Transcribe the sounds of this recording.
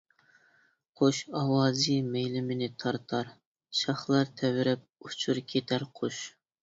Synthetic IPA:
qʰoʃɑwɑːzimejlɪmɪnɪt̪ʰɑɾt̪ʰɑɾ | ʃɑχlˠɑɾt̪ʰɛwɪɾɪp̚ut͡ʃʰuɾkʲʰet̪ʰæɾqʰoʃ

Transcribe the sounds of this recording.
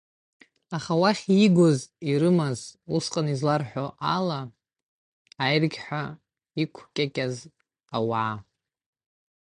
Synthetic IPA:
aχawaχʲiɡʷoziɾɨmazusqʼanizlarħʷᶣoʔala | jrɡʲħʷᶣa | ikʷʰkʲʼakʲʼaz | awʕa

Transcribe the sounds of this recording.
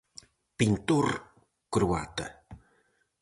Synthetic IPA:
pint̪ur | kɾua̰t̪ə̰

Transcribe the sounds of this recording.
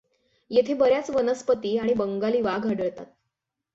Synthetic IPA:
jet̪ʰebəɾjat͡sʋənəspət̪iːaɽ̃ibəŋɡaliːʋaɡʱəɽəɭt̪at̪̚

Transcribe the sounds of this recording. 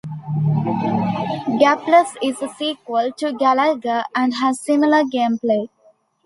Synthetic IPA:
ɡæpləsɪzsiːkwəlʈuɡæləlɡəæ̃ɳɖɦæzsɪ̃mɪləɡẽːmpleː

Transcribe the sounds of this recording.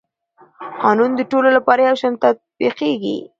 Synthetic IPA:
qɑnund̪əʈololapɑɾajawt͡ʃɑnt̪at̪̚biqeɡḭ

